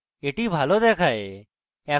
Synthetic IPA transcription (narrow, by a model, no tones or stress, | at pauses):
eːʈiːbʱaːloːd̪eːkʰaːeː | aː